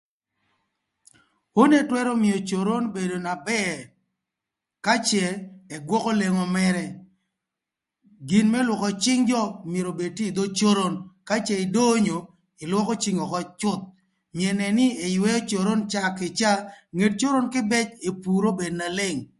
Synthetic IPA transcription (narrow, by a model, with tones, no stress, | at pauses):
o˦ne˦twɛ˦ɾo˦mɪ˨o˨t͡ʃo˨ɾo˦nbe˨do˨na˨bɛ˦ | ka˦t͡ʃɛː˨ɡwɔ˦kɔ˦le˨ŋɔ˨mɛ˦ɾɛ˦ | ɡi˨nmɛ˦lwʊ˨kɔ˨t͡ʃɪ˦ŋd͡ʒɔ˦˨mje˨ɾo˨be˨tiː˦˨d̪o˦t͡ʃo˦ɾo˦nka˦t͡ʃɛ˨ɪ˨do˦ɲo˨ | ɪ˨lwɔ˦ko˦t͡ʃi˨˦ŋɔ˨kɔ˦t͡ʃʊ˦t̪̚ | mjɛ˨nɛ˨nɪ˦e˨jwɛ˦ɔ˦t͡ʃo˨ɾo˦nt͡ʃa˦kɪ˨t͡ʃa˦ŋe˨t̚t͡ʃo˦ɾo˦nkɪ˦bɛ˦t͡ʃe˨pu˨ɾo˦be˨dna˨lɪ˦ŋ